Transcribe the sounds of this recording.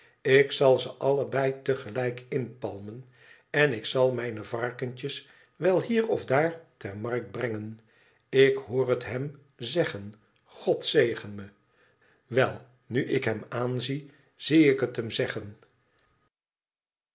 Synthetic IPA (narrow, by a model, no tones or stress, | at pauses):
ɪksɑlˠzəʔɑləbɛjtəχəlɛjkɪnpɑlˠmən | ɛnɪksɑlˠmɛjnəvɑɹkənt͡ʃəs | ʋɛlˠɦiːrɔfdaːɹtɛɹmɑrk̚d̚brɛŋən | ɪkɦʊːrətɦɛm | zɛχən | χɔtsejχənmə | ʋɛlˠ | nyʔɪkɦɛmaːnzi | z̥iɪkɦətɦəmzɛχən